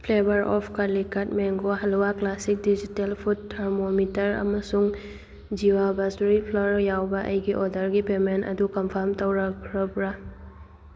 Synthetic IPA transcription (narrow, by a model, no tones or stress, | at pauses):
pʰlebɐɾɔpʰkalikat̚meŋɡoɦɐlwaklasik̚did͡ʒitelpʰutʰːɐɾmomitɐɾɐ̰mɐsuŋ | d͡ʒiwabastɾipʰlɔɾjawbɐʔɐ̰jɡiʔɔdɐɾɡipementɐ̰dukɐmpʰaɾmtɐwɾɐkʰɾɐpɾa